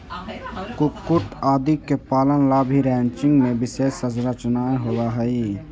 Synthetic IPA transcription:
kukːuʈaːd̪ikːepaːlənlaːbʱiɾɛ̃ːnt͡ʃɪ̃ŋɡmẽbɪʃeːsəsɾət͡ʃnaːeɦoːɡaɦɛi

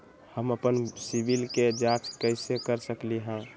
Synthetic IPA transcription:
həməpənsibilked͡ʒaʈkəɪsekəɾsəkliɦã

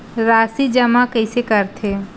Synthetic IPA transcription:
ɾasid͡ʒɐmãkəjsekəɾt̪ʰe

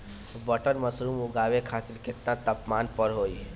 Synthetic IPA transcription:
bəʈəɾməsɾuːmʊɡaːʋekʰaːt̪ɪɾkɪt̪nãt̪əpmaːnpəɾɦoːi

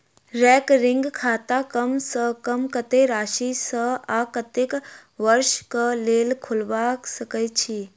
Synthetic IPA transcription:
ɾɛːkɾɪŋɡkʰaːt̪akəmsəkəmkət̪eɾaːʃisəaːkət̪ekʋəɾʃkəleːlkʰʊlʋaksəkəjt͡ʃʰi

